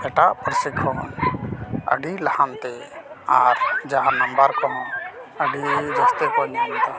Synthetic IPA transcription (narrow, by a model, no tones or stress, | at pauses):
ɛʈaʔpɾsikʰɔn | ə̰ɖilahant̪e | aɾd͡ʒaɦãnəmbəɾkɔɦɔ̃əɖid͡ʒast̪ekɔniɦɔnt̪a